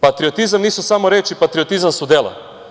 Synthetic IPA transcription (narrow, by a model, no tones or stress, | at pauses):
pat̪ɾiot̪izamniːsusamoɾet͡ʃipat̪ɾiot̪izamsud̪elˠa̰